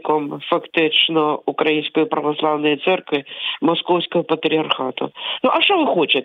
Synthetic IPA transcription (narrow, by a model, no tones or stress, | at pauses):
kɔmfɐkt̪ɪt͡ʃnɔʊkɾɐjinʲsʲkɔjipɾɐʋɐslˠawnɔjit̪sɛrkʋɪmɔskɔwsʲkɔɦɔpɐt̪ɾʲiɐrxat̪ʊ̰nuʔɐʂt͡ʃɔʋɪxɔt͡ʃɪt̪